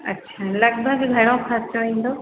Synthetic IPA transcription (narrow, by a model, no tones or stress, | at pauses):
ɐ̰tːʃʰaːlɐɡ̚bʱəɡɡʱɐɽ̃õkʰaɾt͡ʃoĩːn̆d̪o